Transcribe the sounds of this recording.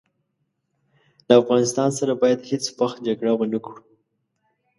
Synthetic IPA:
ləafɣɑnɪst̪ɑnsaɾabɑjad̪het͡swaxt̪̚d͡ʒaɡɽawənaku

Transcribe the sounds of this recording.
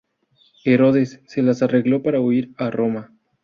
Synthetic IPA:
e̞ɾo̞ðe̞sːe̞lasare̞ɣlo̞paɾauiɾaro̞ma

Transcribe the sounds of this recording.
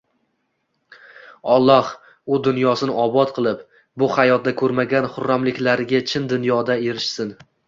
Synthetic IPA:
ɒlˠːɒh | ʊd̪ʊnjɒsɪnɪɒbɒt̪qʰɨlˠɪp | bʊhajɒt̪̚d̪akʰɵɾmaɡʲanχʊɾːamlɪkʲlaɾɪɡʲat͡ʃʰɪnd̪ʊnjɒd̪ae̞ɾɪʃsɪn

